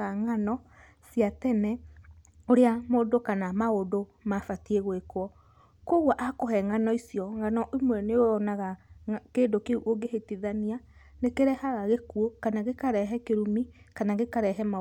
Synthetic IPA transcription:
aŋanɔ | siatɛnɛ | oɾeamoːdokanamaodo | mafatieɣwekwɔ | koɣwaʔakɔɦɛŋanɔisiɔŋanɔʔimwɛneoɔnaɣakendokeoɡehetiðania | nekeɾɛhaɣaɣekuokanaɣekaɾɛɦɛkeɾumi | kanaɣekaɾɛɦɛma

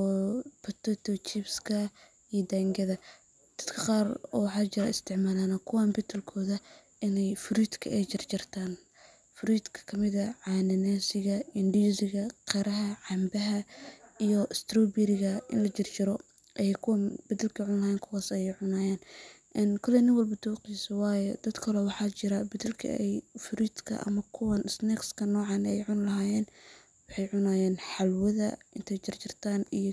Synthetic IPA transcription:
ɔpʰɐt̪ɔt̪ʰɔt͡ʃibskʰɐ | ijɔd̪aːŋɡɐðɐ | d̪̥ɐd̪kʰɐqɑːrɔ̰ːwɑħɑːt͡ʃɪɾɐ̰ɪst̪ʰɪʕmaːlaːnɐkʰʊwaːmbɪt̪ʰɪlkʰɔːðɐ | ɪnɛjfʊɾiːd̪kʰɐɛjt͡ʃɪrt͡ʃɪrt̪ʰaːn | fʊɾiːd̪kʰɐ̥kʰɐmɪðɐʕaɑːnɪnaːsɪɣɐɪndisɪɣɐqɛɾɐɦɐʕɑmbɐɦɐijɔʔɪst̪rɔbɪɾɪɣɐɪ̰nlɐt͡ʃɪrt͡ʃɪɾɔ | ʔɛjɛkʰʊwɐbɐðɪlkʰɐʕʊnlɐhaːjɛːnkʰʊwaːsɛjɛjʕʊnaːjɛːn | ʔɛnkʰɔlɛnɪnwɐlbɐd̪uːqisɐwɑːjɔd̪̥ɐd̪kʰɐlɛwɑħɑːt͡ʃɪɾɐbɐðɪlkʰɐ̰ɛjfʊɾid̪kʰɐ̰ʔɐ̰mɐkʰʊwɐnɪsnɛkskʰɐnɔːʕɑnɛjʕʊnlɐɦaːjɛːn | wɑħɑjʕʊnaːjɛːnħɑlwɐðɐɪnt̪ʰɛjt͡ʃɪrt͡ʃɪrt̪ʰaːnij

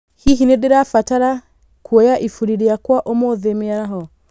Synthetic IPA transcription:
hiɦinedeɾafataɾa | kʰwɔjaʔifuɾiɾiakwaʔomɔðɛmiaɾaɦɔ

